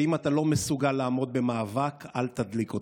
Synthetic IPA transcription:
imat̪alo̞mesuɡalːaːmo̞d̪̚be̞maːvakalt̪ad̪likot

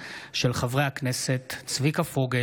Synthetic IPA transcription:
ʃe̞lχavʁejhakneset̪ːt͡svikafoɡe

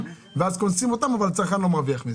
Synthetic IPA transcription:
veazkonsimo̞t̪amavalat͡saʁkanlo̞maʁviaχmize

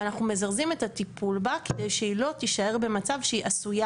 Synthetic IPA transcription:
anaχnume̞zaʁzime̞t̪at̪ipulbaked̪ejʃeilo̞t̪iʃae̞ʁbe̞mat͡savʃeiʔasuja

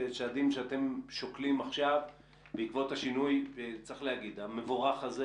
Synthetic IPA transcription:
eʃaːd̪imʃeat̪e̞mʃoklimaχʃav | beikvo̞t̪haʃinujet͡sʁiχlehaɡid̪ame̞voʁaχaze

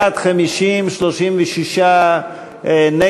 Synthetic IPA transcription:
at̪χamiʃimʃloʃimvɛʃiʃa | ne

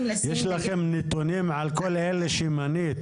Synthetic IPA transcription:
jeʃlaxemnit̪unimʕalkolʔelːeʃimaniːt̪

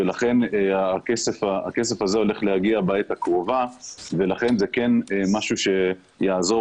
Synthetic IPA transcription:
elaχe̞neaakese̞faa̰kes̬e̞fazeo̞le̞χle̞haɡiabaet̪hakʁovave̞laχe̞nzekenemaʃuʃe̞ | jaazo̞

